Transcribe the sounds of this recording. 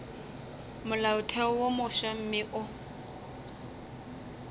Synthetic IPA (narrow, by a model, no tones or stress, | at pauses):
mʊlaʊtʰɛʊwomʊʃam̩mɪʔʊ